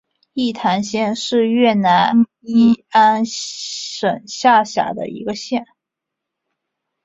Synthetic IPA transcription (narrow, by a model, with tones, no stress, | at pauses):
i˥˩t̪ʰa˧˥nɕjɛ˥˧nʂɻ̩˥˧ɥɛ˥˩na˧˥n | i˥˩a˥n | ʂə˨˩nɕja˥˩ɕja̰˨˩d̪ə̰˦ḭ˧˥ɡə˧ɕjɛ˥˩n